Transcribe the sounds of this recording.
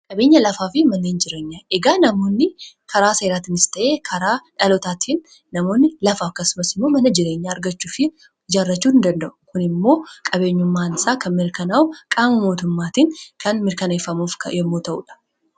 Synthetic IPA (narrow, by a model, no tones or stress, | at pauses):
kʼɐbe̞ːɲːɐlɐfaːfɪmɐnːeːnd͡ʒɪɾe̞ːɲːaːʔɛɡaːnɐmo̞ːnːɪkʰɐɾaːseːɾaːt̪ɪnɪst̪ɐʔeːkʰɐɾaːᶑɐlɔt̪aːt̪ʰiːnː | ɐmo̞ːnːɪlɐfaːɐkːɐsʊmɐsɪmːo̞ːmɐnɐd͡ʒɪɾe̞ːɲːaːɾɡɐt͡ʃːuːfɪ | d͡ʒaːrːɐt͡ʃːuːɪnd̪ɐnd̪ɐʔʊ̥kʊnɪmːo̞ːkʼɐbe̞ːɲːʊmːaːnɪsaːkʰɐmɪɾkɐnawkʼaːmɐmo̞ːt̪ʊmːaːt̪inkʰɐnmɪɾkɐnefɐmuːfkʰɐ̰jɛmːoːt̪ɐʔṵːᶑɐ̥